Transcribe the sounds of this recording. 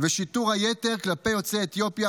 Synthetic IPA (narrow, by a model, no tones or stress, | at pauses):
veʃit̪uʁhajet̪e̞ʁklape̞jo̞t͡seet̪jo̞pja